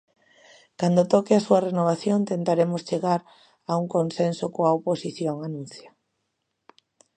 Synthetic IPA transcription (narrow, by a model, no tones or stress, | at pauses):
kand̪ot̪ɔkɪasuɐrenoβ̞aθjont̪ent̪aɾemost͡ʃeɣaɾ | auŋkonsensokoaoposiθjoŋanũnθja